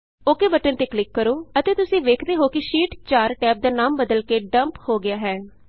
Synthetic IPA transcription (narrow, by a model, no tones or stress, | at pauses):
oːkeːbəʈənt̪eːklɪkːəɾoːət̪eːt̪ʊsĩːʋeːkʰd̪eːɦoːkɪʃiːʈt͡ʃaːɾʈɛːp̚d̪aːnaːmbəd̪əlkeːɖəmphoːɡɪjaːɦɛː